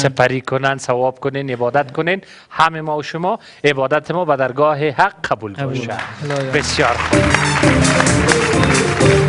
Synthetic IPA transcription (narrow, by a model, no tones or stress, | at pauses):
sɪpaɾikʊnansawɒb̚kʊnenɪbɒːd̪at̪kʊnen | hamemɔwʃʊmɔ | ɪbɒd̪at̪ʰɪmɔbad̪aɾɡɔːɦehaqːʰabulbɔʃad̪bɪsjɒɾxub